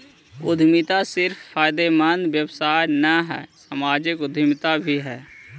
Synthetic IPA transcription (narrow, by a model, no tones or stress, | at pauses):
ʊd̪ʱmɪt̪asɪɾfːʰaːjd̪emaːnʋjəwsaːjnəɦɛ̰ːsəmaːd͡ʒɪkʊd̪ʱmɪt̪abʱiɦɛː